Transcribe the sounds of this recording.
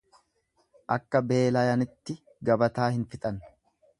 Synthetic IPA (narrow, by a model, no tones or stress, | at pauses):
ʔɐkːɐbe̞ːlɐjɐnɪt̪ːɪ | ɡɐbɐt̪aːhɪnfɪt̪ʼɐn